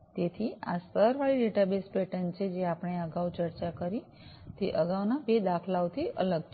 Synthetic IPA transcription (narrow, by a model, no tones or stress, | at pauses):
t̪et̪ʰia̰səɾʋaɭiɖeʈabespeʈənt͡ʃʰed͡ʒeapəɳ̃eəɡaʋut͡ʃəɾt͡ʃakəɾi | t̪ḛʔəɡaʋnabed̪akʰlawt̪ʰiʔələɡt͡ʃʰ